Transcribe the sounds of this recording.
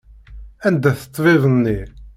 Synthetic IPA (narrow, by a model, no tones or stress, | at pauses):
ænd̪æθə̥t̪ˤːvɪðˤənːi